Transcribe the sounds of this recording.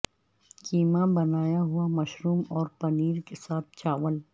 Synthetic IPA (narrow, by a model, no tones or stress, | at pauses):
kiːmabɐnaːjaɦʊamɐʃɾuːmɔːɾpɐniːɾkesaːt̪̚ʰt͡ʃaːʋəl